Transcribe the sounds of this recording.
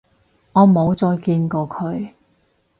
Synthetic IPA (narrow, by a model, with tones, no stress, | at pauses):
ŋɔː˨˧mo˨˧wt͡sɔː˧jkiː˧nkɔː˧kʰɵ˨˧ɥ